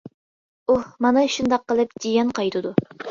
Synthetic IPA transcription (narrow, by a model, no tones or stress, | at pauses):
uhmɑnɨʃund̪ɑqːəlˠɨp̚d͡ʒ̪ijʲɛnqʰɑjt̪ʰɨd̪u